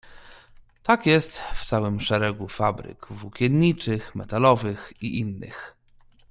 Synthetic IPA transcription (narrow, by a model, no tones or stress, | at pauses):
t̪akjɛst̪ft̪sawɘmʂɛɾɛɡufabɾɘ̰kvukʲjɛnɲit͡ʂɘxmɛ̰t̪alɔvɘxiʔinːɘ̰x